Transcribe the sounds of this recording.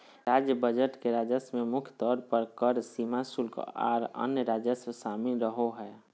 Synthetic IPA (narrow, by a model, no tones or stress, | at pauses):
ɾad͡ʒjəbəd͡ʒəʈkeɾad͡ʒəsmemʊkʰjət̪ɔːɾpəɾkəɾsimasulka̰ːɾə̰njəɾad͡ʒəssaːmiɾəɦoɦɛː